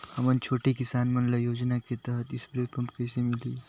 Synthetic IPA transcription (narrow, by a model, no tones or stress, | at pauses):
həmənt͡ʃʰoːʈekisanmənlajoːd͡ʒnaket̪əɦət̪ispɾepɐmpkəjsemili